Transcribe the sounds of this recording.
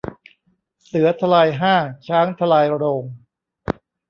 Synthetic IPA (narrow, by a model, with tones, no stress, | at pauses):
sɯ˩˦ɐt̪ʰa˧laː˧jɦaː˥˩t͡ɕʰaː˦˥ŋt̪ʰa˧laː˧jɾoː˧ŋ